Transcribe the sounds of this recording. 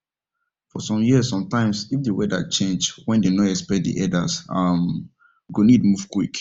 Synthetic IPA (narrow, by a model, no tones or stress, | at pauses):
fɔsɔ̃mjiəsːɔ̃mtãɪ̃msifdewɛda̰t͡ʃẽnd͡ʒwɛ̃ndenɔɛkspɛk̚t̚dḭʔɛdasam | ɡonid̚muv̥kwik